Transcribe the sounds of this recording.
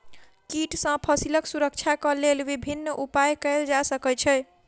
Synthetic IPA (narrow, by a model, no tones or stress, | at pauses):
kiʈsə̃pʰəsiləksuɾək̚t͡ʃʰakəlelʋibʱinːʔupajkəɪld͡ʒasəkət͡ʃʰɛ